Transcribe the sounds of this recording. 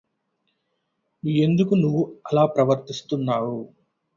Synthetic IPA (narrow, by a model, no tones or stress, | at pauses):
e̞nd̪ukunuʋːuɐlaːpɾɐʋɐɾt̪ist̪unːaːwu